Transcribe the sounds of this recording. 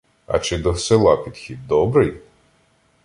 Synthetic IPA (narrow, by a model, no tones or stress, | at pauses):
ɐ̰t͡ʃɪd̪ɔsɪlˠɑpʲid̪xʲid̪̚d̪ɔbɾɪj